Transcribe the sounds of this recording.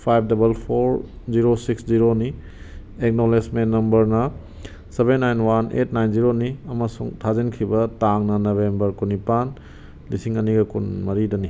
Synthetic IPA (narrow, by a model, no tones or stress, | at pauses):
pʰajb̚ʰdɐbɐlpʰoɾziɾosiksziɾoni | ek̚nolesmenːɐmbɐɾnɐ | sebenːajnwanḛtnajnziɾoniɐmɐsuŋtʰazinkʰibɐtaŋnɐnɐbembɐɾkunipan | lisiŋɐniɡɐkunmɐɾidɐni